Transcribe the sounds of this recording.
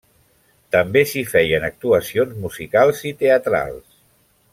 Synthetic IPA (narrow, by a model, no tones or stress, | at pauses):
t̪əmbesifɛjənək̚t̪uəsionzmuzikalˠzit̪eət̪ɾa̰lˠs